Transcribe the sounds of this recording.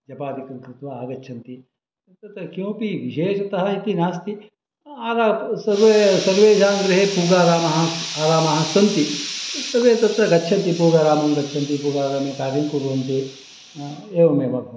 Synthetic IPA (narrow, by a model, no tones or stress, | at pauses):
d͡ʒɐpaːd̪ikɐŋkɾɪt̪ʋaːaːɡɐːt͡ʃʰɐnt̪i | t̪ɐt̪ɾɐkjõːpiʋiʃeːʃɐt̪ɐɦɐit̪inaːst̪i | aːɾaːsɐɾʋesɐɾʋeːd͡ʒaːnɡɾɪɦepuːɡaːɾaːmɐɦɐ̃aːɾaːmɐɦɐ̃sɐnt̪it̪ɐʋeːt̪ɐt̪ɾɐɡɐtːt͡ʃʰɐnt̪ipuːɡaːɾaːmɐmɡɐtːt͡ʃʰɐnt̪ipuːɡaːɾaːmekaːɾɐnkuɾuʋɐnt̪e | eːʋɐmeːʋɐbʱɐ